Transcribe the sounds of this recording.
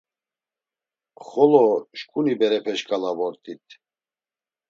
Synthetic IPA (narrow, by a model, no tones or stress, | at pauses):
χɔlɔʃkʼunibɛɾɛpʰɛʃkʼalavɔɾt̪ʼit̪ʰ